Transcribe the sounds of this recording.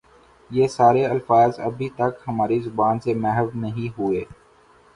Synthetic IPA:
jeːsaːɾeɐlfaːzɐbʱit̪ɐkhɐmaːɾizʊbaːnsemɛɦəʋnɐɦĩɦʊeː

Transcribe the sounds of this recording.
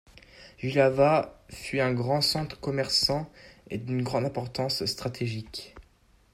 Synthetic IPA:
ʒilavafyɛ̃ɡʁɑ̃sɑ̃t̪χə̥kɔmɛʁsɑ̃ḛd̪ynɡʁɑ̃d̪ɛ̃pɔʁt̪ɑ̃sst̪χat̪ʰeʒik

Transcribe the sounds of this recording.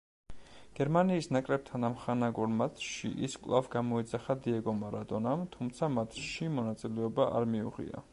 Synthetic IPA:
ɡ̥ɛɾmaniːsnakʼɾɛp̚t̪ʰanamχanaɡɔɾmat̪ʰʃḭʔiskʼlˠavɡamɔid̪zaχad̪iɛɡɔmaɾad̪ʼɔnamt̪ʰumt̪sʰamat̪ʰʃimɔnat̪sʼilɛɔbaʔa̰ɾmiṵʁḭa̰

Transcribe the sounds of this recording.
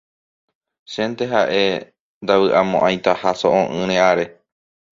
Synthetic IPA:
ʃẽnt̪eɦaʔe̞ | nd̪awɨʔamõʔãj̃t̪ahaso̰ʔõʔɨ̃ɾ̃ẽʔaɾe̞

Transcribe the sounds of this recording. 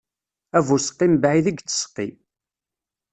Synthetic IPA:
ævusə̥qːimbʕiðiɡt͡sːə̥sqːḭ

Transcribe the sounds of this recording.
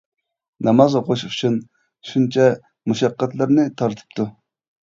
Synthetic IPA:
nɑmɑzoqʰoʃut͡ʃʰun | ʃunt͡ʃʰɛ | muʃɑqːɛt̪lɪɾnɪt̪ʰɑɾt̪ʰɨ̥p̚t̪ʰu

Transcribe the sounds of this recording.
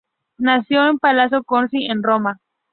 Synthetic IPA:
nasjo̞empalas̬jokonsienroma

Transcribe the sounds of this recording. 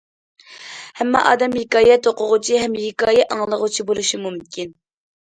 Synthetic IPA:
hɛmːɑ̰ʔɑ̰ːd̪ɛmhɪkɑːjɛt̪oqʰʊʁʊt͡ʃʰiɦɛmhɪkɑːjɛɑŋlˠəʁʊt͡ʃʰibolˠuʃimumkʲʰin

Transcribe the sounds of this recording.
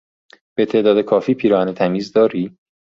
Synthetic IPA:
b̥e̞t̪ʰe̞ːd̪ɒːd̪e̞kʰɒːfiːpʰiːɾɒːænet̪ʰæmiːzd̪ɒːɾiː

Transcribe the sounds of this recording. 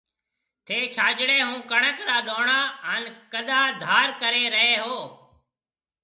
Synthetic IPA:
t̪ʰeːt͡ʃʰaːd͡ʒɽeːɦũːkəɳəkɾaːɗoːɳaːənkəɗ̪aːd̪ʱaːɾkəɾeːɾəɦeːɦoː

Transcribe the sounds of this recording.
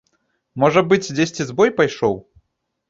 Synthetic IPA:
mɔʐɐbɨt͡sʲd͡zʲesʲt͡sʲizbɔjpajʂɔw

